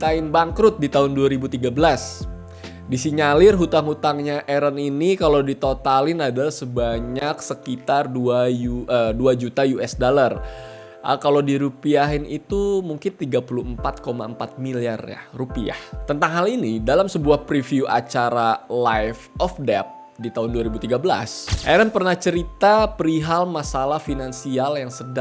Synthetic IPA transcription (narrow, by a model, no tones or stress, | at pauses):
t̪aɪnbaŋkɾʊt̪̚dit̪aɦʊnduaɾibut̪iɡabəlas | disiɲalɪrɦut̪aŋhut̪aŋɲaʔɛɾaninikalodit̪ot̪alɪnadasəbaɲak̚səkit̪arduajuəduad͡ʒut̪ajuɛsdolar | əkalodiɾupiaɦɪnit̪umuŋkɪnt̪iɡapuluəmpat̪̚koma̰əmpat̪̚miliarja̰rupia̰ht̪ənt̪aŋɦalinidalamsəbuahpɾifiuʔa̰t͡ʃaɾalajfɔfdɛp̚ | dit̪aɦʊnduaɾibut̪iɡabəla̰sʔaɾanpərnaht͡ʃəɾit̪apəɾiɦalmasalahfinansialjaŋsəda